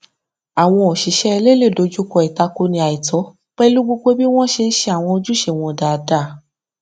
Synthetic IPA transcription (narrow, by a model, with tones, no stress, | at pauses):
a˨w̃ɔ̃˧o˨ʃi˨˦ʃɛ˦ɛ˧le˦˨le˦˨do˨˧d͡ʒu˦kɔ˧i˨ta˧ko˧nĩ˧a˨i˨tɔ˨˦ | k͡pɛ˦lu˦ɡ͡bo˦˧ɡ͡bo˦bi˦w̃ɔ̃˦ʃe˧n̩˦ʃe˧a˨w̃ɔ̃˧o˧d͡ʒu˦ʃe˧˨w̃ɔ̃˧da˨da˨˦˨